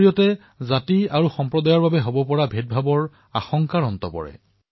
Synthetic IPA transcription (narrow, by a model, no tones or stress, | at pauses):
ijɔtɛ | zatiaɹuxɔmpɹɔdajɔɹbabɛɦobɔpɔɹabʱet̚bʱabɔɹ | a̰xɔŋkaɹɔntɔpɔ̰ɹɛ̰